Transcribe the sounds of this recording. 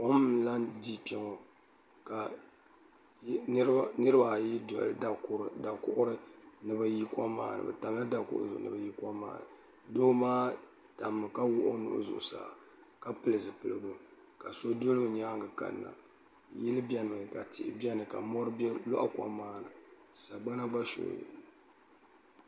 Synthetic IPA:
kɔ˦m˦la˦ndi˦pɛ˨ŋo˨ | ka˨˦ | nɨ˦ɾɨ˦ba˨ji˦dda˨˦ɾda˨kʊ˦ʔʊ˦ɾɨ˦nɨ˨ba˦ji˦ka˦ma̰ː˦nɨ̰˨bɛ̰˨ta˨mla˦da˦kʊ̰˦ʔʊ̰˦zʊ˨nɨ̰˨ba˨˦ji˦kʷa˦ma̰ː˦nɨ̰˨ | doː˦maː˦ | ta˨mːɨ˨ka˦wʊ˦ʔʊ˦nʊ̰˨ʔzʊ̰˨ʔsa̰ː˨ | ka˦pɨ˨lɨ˨zɨ˨pɨ˨lɨ˨bu˦ | ka˨so˦do˦lo˦˨ɲaː˦ŋɡɨ˨ka̰˨nːa̰˨ | ji˦lɨ˦bɛ˦nɨ˨mɨ˨ka˨tḭ˨ʔbjɛ˦nɨ˨ka̰˨mɔ˦ɾɨ˦blɔ̰˦ʔa˨kwa̰˦maː˦nɨ˨ | sa˨ɡ͡ba˦na˦ba˦ʃo̰˨jḭ˨

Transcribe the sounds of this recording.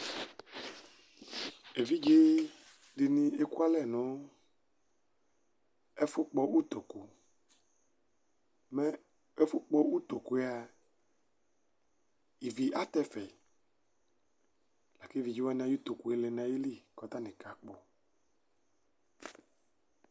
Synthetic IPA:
e˨vi˦d͡ʒe˦ | ɖi˨nĩ˨e˦ku˦a˦lɛ˦˨nɔ̃˨˦ | e˦fo˦k͡pɔ˦ʔu˦t̪o˨ku˨ | mɛ˦ | e˦fo˦k͡pɔ˦u˦t̪o˨ku˦e˦a˨ | i˨vi˨ʔa˦t̪ɛ˦fɛ˨ | la˨ke˦vi˨d͡ʒi˦wa˦n˨ã˨˦ju˦t̪o˨ku˨e˦le˨nã˨je˦li˦˨kɔ˨˦t̪a˦nĩ˨ka˨k͡po˨

